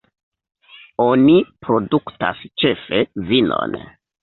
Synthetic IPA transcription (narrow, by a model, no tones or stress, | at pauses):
o̞nipɾo̞dukta̰st͡ʃe̞fe̞vino̞̰n